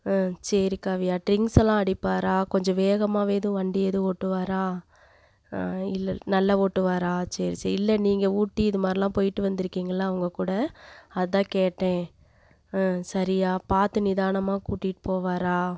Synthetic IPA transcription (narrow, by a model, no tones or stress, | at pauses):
t͡ʃɛɾikaːʋɪjaːʈɾɪŋɡsɛlːãːɐɽɪpːaːɾaːkɔɲd͡ʒɔ̃ʋeːɣɐmaːʋeːðɯ̃ʋɐɳɖɪɐðɯ̃oːʈːɯʋaːɾaː | ɪlːnɐlːɐoːʈːɯʋaːɾaːt͡ʃɐɾisɐɪlːɛniːŋɡɐuːʈːiɪðɯmaːɾɪlãːpoːjɪʈːɯʋɐnd̪ɪɾɯkːiːŋɡɐlːaːɐʋɐŋɡɐkuːɽɐɐðɐt̪ãːkeːʈːẽː | sɐɾɪjaːpaːɾt̪ɯnɪðaːɳɐmaːkuːʈːɪʈːɯ̥poːʋaːɾaː